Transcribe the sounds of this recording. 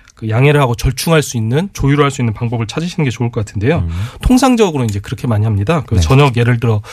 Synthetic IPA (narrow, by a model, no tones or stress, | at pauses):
kɯjaŋe̞ɾɯɭhaɡot͡ɕʌɭt͡ɕʰuŋɦaɭs͈uinːɯnt͡ɕojuɾoɦaɭs͈uinːɯnpaŋbʌbɯɭt͡ɕʰad͡ʑiɕʰinɯnɡe̞t͡ɕouɭk͈ʌk͈atʰɯnde̞jotʰoŋs̬ʰaŋd͡ʑʌɡɯɾoind͡ʑe̞kɯɾʌkʰe̞maɲiɦamɲidakɯt͡ɕʌɲʌɡje̞ɾɯɭdɯɾʌ